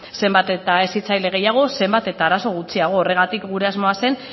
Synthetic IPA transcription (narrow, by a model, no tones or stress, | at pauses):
se̞mbat̪e̞t̪ae̞sit͡sajle̞ɣ̞e̞jaɣ̞o̞se̞mbat̪e̞t̪aːɾaso̞ɣ̞ut͡siaɣ̞o̞ːre̞ɣ̞at̪ikɡuɾe̞azmo̞ase̞n